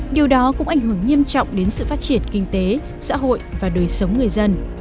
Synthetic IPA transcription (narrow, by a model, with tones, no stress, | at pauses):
ɗi˨˩əwɗɔ˨˦kʊ̰˧˥ŋ͡mʔa˧˩jŋ̟hɦɨ˧˩əŋɲi˧əmt͡ɕɔ̰˧˨wŋ͡mɗe˨˦nsɨ̰˧˨faː˦˥t̚t͡ɕi˧˩ənkï˧ŋ̟t̪e˨˦ | sa̰ː˧˥ɦo̰˧˨jʔvaː˨˩ɗəː˨˩jsə˨˦wŋ͡mŋɨ˨˩əjzə˧n